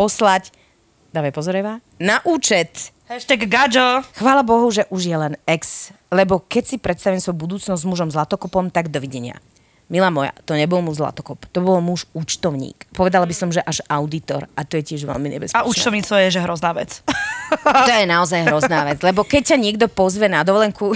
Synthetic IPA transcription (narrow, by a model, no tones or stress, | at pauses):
pɔslac | d̪aːʋajpɔzɔɾɛʋa | naʔuːt͡ʃɛt̪ | hɛʃt̪ɛɡːad͡ʒɔxʋaːlabɔɦuʒɛʔuʒjɛlɛnɛkslɛbɔkɛcsipɾɛt̪st̪aʋiɛmsɔjubud̪uːt͡snɔzzmuʒɔmzlat̪ɔkɔpɔmt̪aɡd̪ɔʋiɟɛɲɪa̰ | milaːmɔja̰t̪ɔɲɛbɔlmuʒzla̰t̪ɔ̥kɔpt̪ɔbɔlmuʃut͡ʃt̪ɔʊɲḭːkpɔʋɛd̪alabisɔmʒɛʔaʒaʊd̪it̪ɔ̰ɾat̪ɔjɛcɪɛʒʋɛ̰lmiɲɛ̰bɛ̰spaut͡ʃt̪ɔʊɲiːt͡sɔjɛʒɛɦɾɔznaːʋɛ̰t͡s | t̪ɔjɛnaɔzajɦɾɔznaːʋɛd͡zlɛbɔkɛc̚cːaɲɪɛɡd̪ɔpɔzʋɛnad̪ɔʋɔlɛŋku